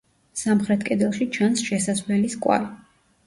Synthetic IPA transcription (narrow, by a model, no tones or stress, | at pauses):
samχɾɛt̪ʰkʼɛd̪ɛlˠʃit͡ʃʰansʃɛsasvlɛliskʼwa̰li